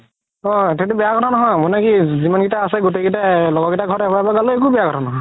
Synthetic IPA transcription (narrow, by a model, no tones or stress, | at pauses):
ɔ̃tɛtubɛjaɡɔtʰanɔɦɔjmɔnɛkizimanɡitaːsɛɡoteɡitalɔɡɔkitaɡʱɔɹtɛpaabaɡaloekubɛjaɡɔtʰanɔɦɔj